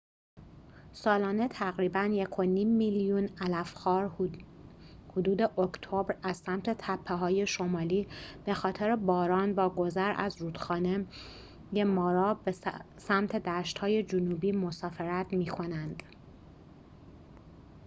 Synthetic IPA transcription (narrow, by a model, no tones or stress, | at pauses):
sɒːlɒːne̞t̪ʰæɣɾiːbænjekʰo̞niːmːiljunælæfxɒːɾ | hod̪uːd̪eʔokʰt̪ʰo̞bɾæzsæmt̪ʰe̞t̪ʰæpʰːeɦɒːje̞ʃo̞mɒːliːb̥e̞xɒːt̪ʰeɾebɒːɾɒːnvɒːɡo̞zæɾʔæ̰zɾuːd̪̥xɒːne | jemɒːɾɒːbe | sæmt̪ʰe̞d̪æːʃt̪hɒːje̞d͡ʒonuːbiːmo̞sɒːfe̞ɾæt̪ʰmiːkʰo̞nænd̪̥